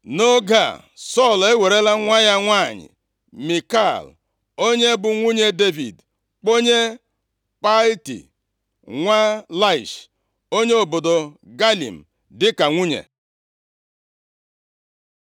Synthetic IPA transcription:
no˦ɡa̰˦˨ | sɔ˦˨le˦we˨ɾe˦la˦ŋʷa˦ja˦ŋʷa˦˨ɲɪ̰˨ | mi˨ka˦˨l | o˦ɲe˦bʊ˨ŋʷu˦ɲe˦de˦vḭ˨d | k͡po˦ɲe˦ | pa˦ltḭ˨ | ŋʷa˦la˦ɪ˨ʃ | o˦ɲe˦o˨bo˨do˨ɡa˦lḭ˨m̩˨ | dɪ˦ka˨ŋʷu˦ɲḛ˨

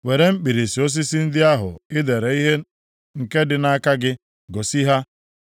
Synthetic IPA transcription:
we˨ɾe˦m̩˦k͡pi˨ɾi˨si˨o˦s̬i˦si˦n̩˦dɪ˦a˦ɦʊ̰˨ɪ˦de˨ɾe˨i˦ɦe˦ | ŋ̩˨ke˦dɪ˨na˦ka˦ɡɪ˦ | ɡo˨si˦ɦa˦

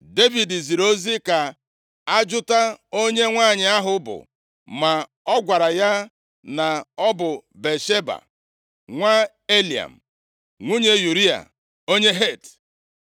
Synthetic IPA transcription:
de˦vi˨di˨zi˨ɾo˦zi˦ka˨ | a˦d͡ʒʊ˦ta˦o˦ɲe˦ŋʷaː˦˨ɲɪ˨a˦ɦʊ˦bʊ̰˨ | ma˨ | ɔ˦ɡʷa˨ɾa˨ja˦ | na˨ɔ˦bʊ˨be˨ʃe˦ba̰˨ | ŋʷa˦ | e˦li˨a̰˨m̩˨ | ŋʷu˦ɲe˦ju˨ɾi˦a̰˨ | o˦ɲe˦ɦe˦˨t

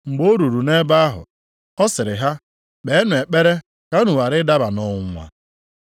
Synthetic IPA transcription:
ŋ͡m̩˨ɡ͡bo˦ɾu˨ɾu˨ne˦ba˦a˦ɦʊ̰˨ | ɔ˦sɪ˨ɾɪ˨ɦa˦ | k͡pe˨˦nʊ˨e˨k͡pe˦ɾe˦ | ka˦nu˨wa˨ɾɪ˦da˦ba˨nɔ˨˦ŋʷa̰˨

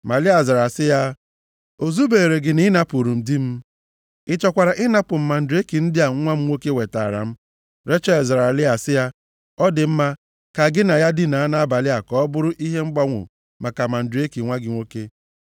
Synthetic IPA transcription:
ma˨lɪ˦a˨za˨ɾa˨sɪ˦ja˦ | o˨zu˦be˨ɾe˨ɡɪ˨ni˦na˦pu˨ɾu˨m̩˨di˦m̩˦ | ɪ˦t͡ʃɔ˨kʷa˨ɾa˨ʔɪ˦na˦pʊ˨m̩˨ma˨n̩˨de˦ki˨n̩˦dɪ˦a˨ŋ̩˦ŋʷa˦m̩˦ŋʷo˦ke˦we˨ta˨a˨ɾa̰˨m̩˦ | ɾe˦t͡ʃa˦i˨zɾa˨lɪ˦a˨sɪ˦ja˦ | ɔ˦dɪ˨m̩˦ma˦ | ka˨ɡɪ˦na˨ja˦dɪ˦na˨a˦na˦a˦ba˨lɪ˦a˨kɔ˦bʊ˦ɾʊ˦ʔi˦ɦe˦ŋ͡m̩˦ɡ͡ba˦ŋʷʊ̰˨ | ma˨ka˨ma˨n̩˨de˦ki˨ŋʷa˦ɡɪ˨ŋʷo˦ke˦

